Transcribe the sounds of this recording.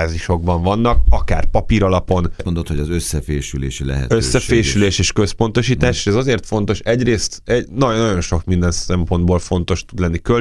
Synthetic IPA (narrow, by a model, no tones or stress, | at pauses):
ziʃo̞ɡ̚bɒɱvɒnːɒkɒka̰ːrpɒpiɾɒlɒpo̞nmond̪ot̪hoɒzøsːɛfḛːʃylḛːʃilɛ̰ɦɛ̰t̪øsːɛfeːʃyleːʃeːʃkø̞spo̞nt̪o̞ʃiːtt̪aːʃeːʃɛzɒzeːrt̪fo̞nt̪o̞ʃɛɟreːst̪ɛɟnɒnɒɟo̞nʃo̞kmind̪ɛnsɛmpo̞nd̪boːlfo̞nt̪o̞ʃt̪ud̪lɛnːikø